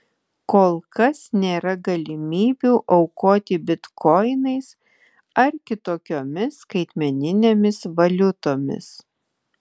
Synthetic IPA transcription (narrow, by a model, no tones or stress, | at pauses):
koːlˠkɐsnʲeːɾɐɡɐlʲɪmʲiːbʲuːʔɐʊkoːt̪ʲɪbʲɪt̪kʰɔɪnɐɪs | ɐɾkʲɪt̪oːkʲoːmʲɪskɐɪt̪ʲmʲɛnʲɪnʲeːmʲɪsʋɐlʲʊt̪oːmʲɪ̰s